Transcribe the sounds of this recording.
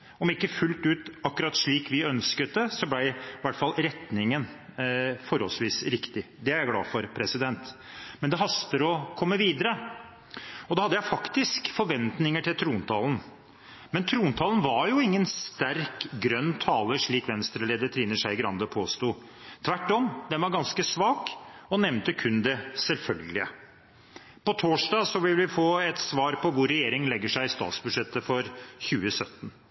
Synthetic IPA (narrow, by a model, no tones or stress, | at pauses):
ɔmɪkːəfʉlt̪ʉːt̪ɑkːʉɾɑt̪ʂɭiːkʋɪœnskət̪̚d̪ɛsɔblæɪʋæʈːfɑlːɾɛt̪nɪŋən | fɔɾhɔlsʋiːsɾɪkt̪ɪ | d̪ɛæɾjæɡlɑ̰ːfɔɾpʰɾɛsɪd̪ɛnt̪ | mɛnd̪ɛɦɑst̪əɾɔkʰɔmːəʋiːd̪əɾə | ɔd̪ɑhɑd̪əjæɪfɑkt̪ɪskfɔɾʋɛnt̪nɪŋəʈʰɪlt̪ʰɾuːnt̪ʰɑːln̩ | mɛnt̪ʰɾuːnt̪ʰɑːln̩ʋɑɾjʊɪŋːənst̪æɾkɡɾœnːt̪ʰɑːləʂɭiːkʋɛnst̪ɾəleːd̪ət̪ʰɾiːnəʂæɪɡɾɑnd̪əpʰoːst̪uːt̪ʰʋæʈːɔmd̪ɛnʋɑɾɡɑnskəsʋɑːkɔnɛʋnt̪əkʰʉnd̪ɛsɛlfœlɡəlɪə | pɔt̪ʰoːʂɖɑːsɔʋɪlʋɪfoːɛt̪sʋɑːɾpʰɔʋʊɾːɛjeːɾɪŋlɛɡːəʂæɪɪst̪ɑ̰ːt̪sbʉd̪ʂɛt̪ːəfɔɾçʉːəsœt̪ːn̩